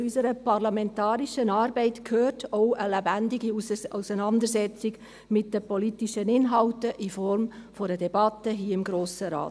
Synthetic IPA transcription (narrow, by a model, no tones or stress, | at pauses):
t͡sysəɾəpɑrlamɛntɑːɾiʃənɑːɾbɛɪtkʰhøːrtʰoʊəlɛbændɪɡiowsənɑndəɾsɛt͡sɪɡ | mɪt̚d̥əpɔlitiʃənɪnɦɑltəʔifɔrmfoɾədɛbɑtːəɦiːəɪmɡɾoːsəɾa̰ːt